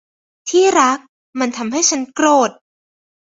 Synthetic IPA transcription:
t̪ʰiː˥˩ɾa˦˥k̚ | ma˧nt̪ʰa˧mɦa˥˩jt͡ɕʰa˦˥nkɾoː˨˩t̪̚

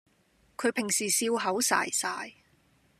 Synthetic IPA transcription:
kʰɵ˨˧ɥpʰɪ˨˩ŋsiː˨˩siː˧wɦɐ˨˥wsa̰ː˨˩jsaː˨˩j

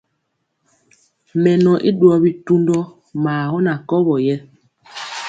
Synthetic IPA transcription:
mɛ˨nɔ˨ʔi˦ɗu˨˦ɔ˨bi˨tu˦ndɔ˦ | maː˨hɔ˦na˨kɔ˦βɔ˨jɛ˦

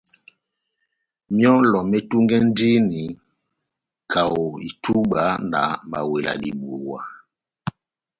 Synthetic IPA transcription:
mjɔ˦lɔ˨mɛ˦tu˦ŋɡɛ˦n˦di˦ni˨ | kʰa˨o˨i˨tu˦ɓa˦na̰˨ma̰˨we˨la̰˨di˨ɓu˨wa˦

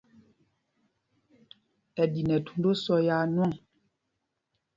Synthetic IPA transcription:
ɛ˨di˨nɛ˨tu̥˨n˦do˦sɔ˦ja˦nwɔ˦˨ŋ

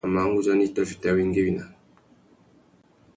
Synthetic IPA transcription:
ma˨˦ŋ˦u˦d͡ʒa˦ni˦ta˦fi̥˨ta˨wi˦ŋ˦ɡe˦wi˨na˨

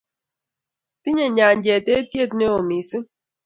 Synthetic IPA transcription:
ti˦ɲe˨ɲa˨n˦d͡ʒe˨te˦tje˦˨tne˦o˨mi˨si˦

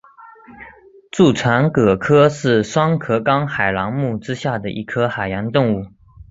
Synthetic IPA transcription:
ʈ͡ʂu˥˩t͡sʰwa˧˥nkɤ˨˩kʰɤ˥ʂɻ̩˥˩ʂwɑ˥ŋkʰɤ˧˥kɑ˥ŋxa˨˩ɪlɑ˧˥ŋmu˥˩ʈ͡ʂɻ̩˥ɕja˥˩d̪ə˩ʔi˧˥kʰɤ˥xa˨˩ɪjɑ˧˥nt̪ʊ˥˧ŋu˥˩

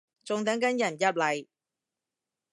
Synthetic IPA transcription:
t͡sʊ˨˧ŋt̪̬ɐ˨˥ŋkɐ˨˥njɐ˨˩njɐ˥p̚lɐ˨˩j

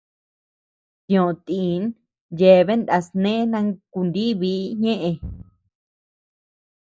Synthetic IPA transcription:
t̪jõ˨t̪i˨˦n | je˨˧βe˦nd̪a˧snẽ˦nã˧ku˧nd̪i˦βi˦ɲẽ˦ʔẽ˧

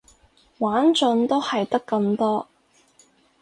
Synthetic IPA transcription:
waː˨˥nt͡ʃɵ˨˧nt̪o˥whɐ˨jt̪ɐ˥kːɐ˧mt̪ɔː˥

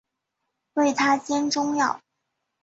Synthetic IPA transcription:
we˥˩ɪt̪ʰa˥t͡ɕjɛ˥nʈ͡ʂʊ˥ŋjɑ˥˩ʊ

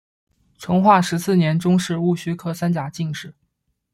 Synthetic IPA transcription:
ʈ͡ʂʰɤ˧˥ŋxwa˥˩ʂɻ̩˧˥sɹ̩˥˩njɛ˧˥nʈ͡ʂʊ˥ŋʂɻ̩˥˧u˥˩ɕy˥kʰɤ˥sa˥nt͡ɕja˨˩t͡ɕi˥˧ŋʂɻ̩˥˩

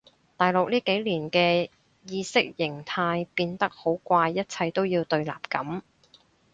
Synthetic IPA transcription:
t̪aː˨˩jlʊ˨k̚liː˥ke˨˥jliː˨˩nkɛː˧ | jiː˧sɪ˥k̚jɪ˨˩ŋt̪ʰaː˧jpiː˧nt̪ɐ˥k̚ho˨˥wkʷaː˧jːɐ˥t̚t͡sʰɐ˧jt̪o˥wjiː˧wt̪ɵ˧ɥla̰ː˨p̚kɐ˨˥m

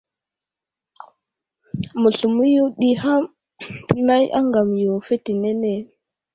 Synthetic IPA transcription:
mu˨ɬu˨mu˦ju˦ɗi˦ha˦m | tə˨na˦jʔa̰˦ŋɡa˨m˨jo˨fe˦ti˨ne˦ne˨

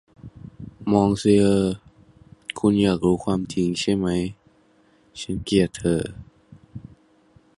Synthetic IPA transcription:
mɔː˧˥ŋsi˧ʔɤː˧˩ | kʰu˧njaː˨˩k̚ɾuː˦˥kʰwaː˧mt͡ɕʰi˨˦ŋt͡ɕʰa˥˩jma˦˥j | t͡ɕʰa˦˥nki˨˩ətt̪ʰːɤː˧˩

